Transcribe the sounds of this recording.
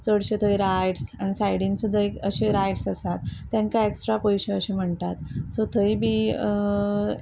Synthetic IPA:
t͡səɽɕet̪ʰəjɾajʈsanisajɽinsud̪ʱːaekəɕeɾajʈsəsat̪ːjãŋkaeksʈɾapojɕeəɕem̤əɳʈ̪at̪sot̪ʰəibʱi

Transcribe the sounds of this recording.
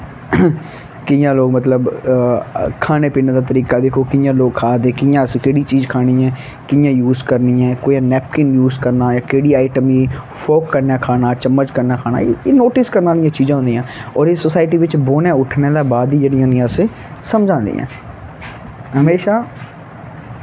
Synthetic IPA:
kɪjãːloːɡmət̪ləb | kʰaːneːpiːneːd̪aːt̪əɾiːkaːd̪eːkʰoːkɪjãːloːɡ̚kʰaːd̪eːkɪjãːskeːɽiːt͡ʃiːzkʰaːɽiːɛ̃ː | kɪjãːjuːzkəɾniːɛ̃ːkoːjãːnɛːp̚kɪnjuːzkəɾnaːjaːkeːɽiːaːɪʈəmiː | fʰoːkːəɾnaːkʰaːnaːt͡ʃəmːət͡ʃkəɾnaːkʰaːna̰ːeːnoːʈɪskəɾnaːlɪjãːt͡ʃiːzãːɦʊ̃ːnd̪iːãːɔːɾeːsoːsaːɪʈiːʋɪt͡ʃboːnãːʊʈʰneːd̪aːbaːd̪iːd͡ʒeːɽijãːnĩãːseː | səmd͡ʒãːnd̪ḭːã̰ː | ɦəmeːʃaː

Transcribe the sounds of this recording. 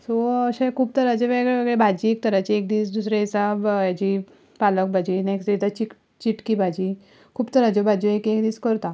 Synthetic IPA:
soəɕẽkʰuːb̚t̪əɾad͡ʑeʋeɡɭeʋeɡɭebʱad͡ʑiek̚t̪əɾat͡ɕiekd̪iːsd̪usɾeisabjad͡ʑi | palək̚bʱad͡ʑinekst̪it̪at͡ɕik | t͡ɕiʈkibʱad͡ʑi | kʰuːbt̪əɾad͡ʑebʱad͡ʑoekekd̪iːskəɾt̪a

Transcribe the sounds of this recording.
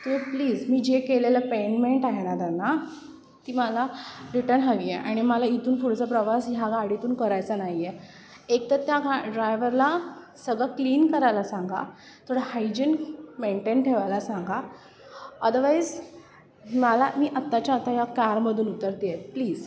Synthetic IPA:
t̪uepliːd͡zmiːd͡ʑekeleləpenmeɳʈaɦenad̪anːa | t̪iːməlaɾiʈəɾnɦəʋijeʔaɽ̃iməlait̪uːnfuɽt͡səpɾəʋasjaɡaɽ̤it̪uːnkəɾajt͡sanaɦje | ek̚t̪ət̪jaɡaɖɾajʋəɾla | səɡɭakliːnkəɾajlasãŋɡa̰ | t̪ʰoɽəhajd͡ʑənmeɳʈenʈʰeʋajlasãŋɡa | əd̪əɾʋajd͡z | malamiːʔat̪ːat͡ɕaːt̪ajakaɾməd̪ʱuːnut̪əɾt̪ijet̪̚pliːz

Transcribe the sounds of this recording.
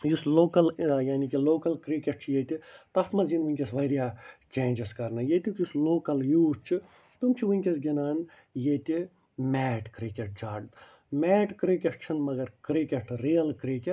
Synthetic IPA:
jusloːkɐljaːnikiloːkɐlkɾikʲeʈ̚t͡ʃʰijet̪ʲit̪ɐt̪mɐzinʋunʲkʲesʋɐɾijaːt͡ʃeːnʲd͡ʒeskɐɾnɨjet̪ʲikjusloːkɐljuːt͡ʃʰi | t̪umt͡ʃʰiʋuŋʲkʲesɡʲinaːn | jeːt̪ʲi | mʲɛːʈkɾikʲeʈ̚d͡ʒaːɖ | mʲɛːʈkɾikʲeʈt͡ʃʰinmɐɡɐɾkɾikʲeʈɾijɐlkɾikʲe

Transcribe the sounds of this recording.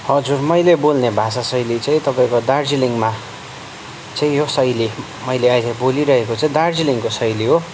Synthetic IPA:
hʌd͡zurmʌjlebolnebʱasasʌjlit͡sãĩt̪ʌpaĩkod̪ard͡ziliŋma | t͡saĩjosʌjli | mʌjleajlaboliɾʌɦekot͡saĩd̪ard͡ziliŋkosʌjliɦo

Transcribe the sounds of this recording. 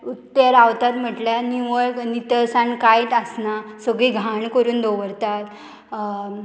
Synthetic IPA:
ut̪ːəɾaʋt̪at̪m̤əʈljaniʋəɭknit̪əɾsãnkajt̪əsnasəɡiɡʱaɳkəɾuːnd̪oʋəɾt̪at̪

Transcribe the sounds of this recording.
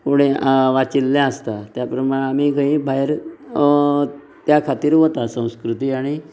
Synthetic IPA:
kuɽ̤̃eʋat͡ɕilːjãəst̪at̪japɾəmaɭẽam̤iːɡəɦĩːbʱaeɾ | t̪jakʰat̪iːɾʋot̪asə̃w̃skɾut̪iːaɽ̃i

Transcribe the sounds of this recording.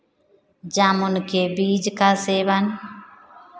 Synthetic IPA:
d͡ʒamunkebiːd͡ʒkaseːban

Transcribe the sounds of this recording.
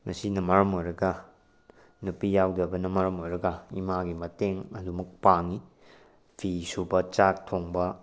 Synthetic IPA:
mɐsinɐmɐɾɐmojɾɐɡɐ | nupijawdɐbɐnɐmɐɾɐmojɾɐɡɐimaɡimɐteŋɐdumɐk̚paŋi | pʰisubɐt͡ʃak̚tʰoŋbɐ

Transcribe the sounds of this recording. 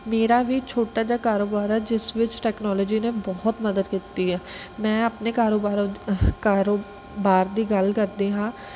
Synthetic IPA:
meːɾaːʋiːt͡ʃʰoːʈaːd͡ʒaːkaːɾoːbaːɾɛːd͡ʒɪsʋɪt͡ʃʈɛːknɔːlɔːd͡ʒiːnebɔːɔt̪məd̪əd̪kit̪iːɦɛːmɛ̃ːəpnekaːɾoːbaːɾkaːɾo | baːɾd̪iːɡəlkəɾd̪iːɦãː

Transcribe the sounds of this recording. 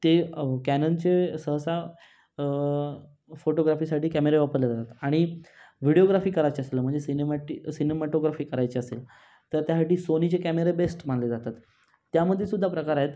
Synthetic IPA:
t̪ekænənt͡ɕesəɦəsa | foʈoɡɾafiːsaʈiːkæmeɾeʋapəɾled͡zat̪at̪aɽ̃iʋiɽioɡɾafiːkəɾajt͡ɕeəselm̤əɳd͡zesinemʈisinemɛʈoɡɾafiːkəɾajt͡ɕeəsḛl | t̪əɾt̪jasaʈiːsonit͡ɕekæmeɾebesʈm̤anled͡zat̪at̪ː | jaməd̪ʱːjesud̪ʱːapɾəkaɾaɦet̪

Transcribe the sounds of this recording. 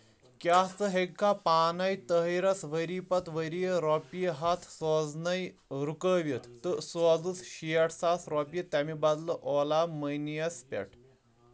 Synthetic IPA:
kʲat͡səɦeɡkːapanajt̪əɦəɾɐsʋəɾipɐt̪ʋəɾijɾɔpijəɦat̪ʰsɔd͡znɐj | ɾukəʋʲjət̪t̪əsɔd͡zut͡sɕijɐʈʰsasɾɔpjət̪ːamibad̪ləʔɔlaməjnijɐspʲɛ̰ʈʰ

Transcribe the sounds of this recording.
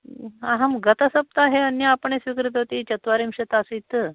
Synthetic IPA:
aɦəmɡət̪əsəp̚t̪aɦeənjəːpəɳesʋikɾit̪ɦot̪it͡ɕɐt̪ʋaɾimɕɐt̪asit̪

